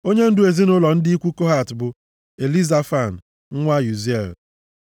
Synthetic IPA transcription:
o˦ɲe˦n̩˦dʊ˦e˨zi˦nʊ˦lɔ˨n̩˦dɪ˦i˦kʷu˦ko˦ɦa˦˨tbʊ˨ | e˨li˦za˦fa˦˨n̩˨ | ŋ̩˦ŋʷa˦ju˨ze˨l

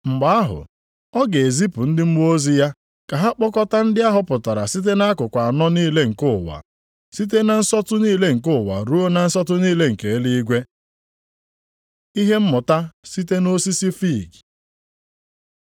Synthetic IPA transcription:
ŋ͡m̩˨ɡ͡ba˨˦a˦ɦʊ̰˨ | ɔ˦ɡe˨e˨zi˦pʊ˨n̩˦dɪ˦m̩˦o˦zi˦ja˦ | ka˨ɦa˦k͡pɔ˦kɔ˦ta˦n̩˦dɪ˦a˦ɦʊ˦pʊ˨ta˨ɾa˨si˦t̬e˦na˦kʊ˨kʷa˨a˨nɔ˦niː˦le˦ŋ̩˨kʊ˦˨wa̰˨ | si˦t̬e˦na˨n̩˦sɔ˦tʊ˦niː˦le˦ŋ̩˨kʊ˦˨wa̰˨ɾu˦o˦na˨n̩˦sɔ˦tʊ˦niː˦le˦ŋ̩˨ke˨e˦li˦i˦ɡʷe˦ | i˦ɦe˦m̩˦mʊ˨ta˦si˦t̬e˦no˦si˦si˦fi˦˨ɡ

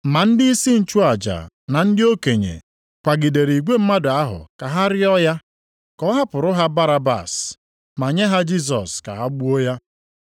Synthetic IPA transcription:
ma˨n̩˦dɪ˦i˦si˦n̩˦t͡ʃu˦a˨d͡ʒa̰˨ | na˨n̩˦dɪ˦o˦ke˨ɲḛ˨ | kʷa˨ɡɪ˨de˨ɾi˨ɡʷe˦m̩˦ma˦dʊ˨a˦ɦʊ̰˨ka˨ɦa˦ɾɪ˦ɔ˦ja˦ | kɔ˦ɦa˦pʊ˨ɾʊ˦ɦa˦ba˦ɾa˦ba̰˨s | ma˨ɲe˦ɦa˦d͡ʒi˦s̬ɔ̰˨ska̰˨a˦ɡ͡bu˦o˦ja˦

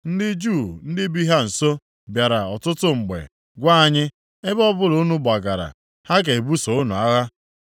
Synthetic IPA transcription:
n̩˦dɪ˦d͡ʒu˦˨n̩˦dɪ˦bi˦ɦa˦n̩˨so˦ | bja˨ɾa˨ɔ˨tʊ˦tʊ˦ŋ͡m̩˨ɡ͡bḛ˨ | ɡʷa˦a˨ɲɪ˦ | e˦bɔ˦bʊ˦lo˨˦nu˦ba˨ɡa˨ɾa̰˨ | ha˦ɡe˨e˨bu˦so˨ʊ˦nu˨a˦ɣa˦

